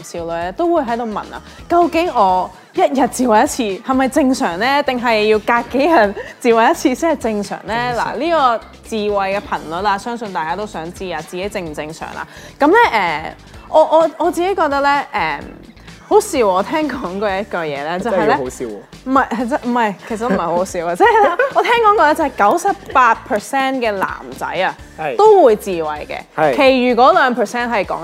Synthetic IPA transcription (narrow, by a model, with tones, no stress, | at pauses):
siː˨˧wlɵ˨jɛ˥t̪o˥wuː˨˧jɦɐ˨˥jt̪o˨wmɐ̰˨˩na̰ː˨kɐ˧wkɪ˨˥ŋɔː˨˧˥ | jɐ˥t̚jɐ˨t̚t͡siː˨˩wɐ˨˩jɐ˥t̚t͡sʰiː˧hɐ˨˩jmɐ˨jt͡sɪ˧ŋsœː˨˩ŋlɛː˥t̪ɪ˨˩ŋɦɐ˨jːiː˧wkaː˧kkːe˨˥jjɐ˨˩t̚t͡siː˨wɐ˨˩jɐ˥t̚t͡sʰiː˧siː˨˥hɐ˨˩jt͡sɪ˧ŋsœ̰ː˨˩ŋlɛː˥la̰˨˩liː˥kɔː˧ | t͡siː˨wɐ˨jkɛː˧pʰɐ˨˩nlɵ˨t̚laː˧sœː˥ŋsɵ˨nt̪aː˨jkaː˥t̪o˥wsœː˨˥ŋt͡siː˥aː˨˧t͡siː˨ke˨˥jt͡sɪ˧ŋm̩˨˩t͡sɪ˧ŋsœ̰ː˨˩ŋʔa̰˧ | kɐ˨˧˥mlɛː˥ʔɛː˨˩ | ʔɔː˨˧ʔɔː˨˧ɔː˨˧t͡siː˨ke˨˥jkɔː˧k̚t̪ɐ˥lɛ˥ʔɛː˨m | ho˨˥wsiː˧wɔː˨˧t̪ʰɛː˥ŋkɔː˨˥ŋkɔː˧jɐ˧˥jɐ˥t̚kœ˨˧jɛ̰ː˨˧lɛː˥t͡sɐ˨hɐ˨jlɛː˥˧i˨˧ | m̩˨˩ɐ˨˩jʰt͡sɐ˧m̩˨˩mɐ˨jkʰe˨˩s̬ɐ˨tm̩˨˩hɐ˩ho˦˥˧ho˧˥siː˨˧waː˧t͡sɛː˥ɐ˨la˧ɔː˨˧t̪ʰɛː˥ŋkɔː˨˥ŋkɔː˧lɛː˥t͡sɐ˨˩hɐ˨˩jkɐ˨˥wsɐ˨p̚paː˧t̚pʰə˨sɛː˥nkɛː˧la̰ː˨˩mt͡sɐ̰˨˥ja˨ | t̪o˥wwuː˨˧jt͡siː˨wɐ̰˨jkɛ̰˧˨kʰe˨˩jjyː˨˩kʷɔː˨˥lœː˨˧ŋpʰəː˨˩sɛː˥nɦɐ˨jkɔ̰ː˨˥ŋ